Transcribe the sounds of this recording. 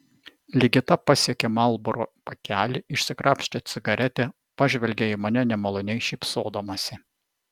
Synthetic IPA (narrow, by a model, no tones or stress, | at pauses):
lʲɪɡʲɪt̪ɐpɐsʲiɛkʲemɑlˠbɔɾo̰pɐkʲæːlʲɪɪʃʲsʲɪkɾʔɑːpʲʃʲt͡ʃʲɛt̪sʲɪɡɐɾʲɛt̪ʲe | pɑʒʲʋʲɛlʲɡʲeɪmɐnʲɛnʲɛmɐlˠoːnʲɛɪʃʲiˑpsoːd̪oːmɐsʲɪ